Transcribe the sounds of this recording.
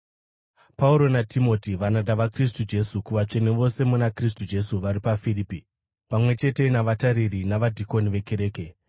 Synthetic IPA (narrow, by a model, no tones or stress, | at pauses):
pauɾo̞natimo̞tiʋanadaʋakristud͡ʒe̞sukuʋat͡ʂe̞ne̞ʋo̞se̞munakris̬tud͡ʒe̞suʋaɾipafiriːpi | pamwe̞t͡ʃe̞te̞naʋataɾirinaʋadʱiko̞niʋe̞ke̞ɾe̞ːke̞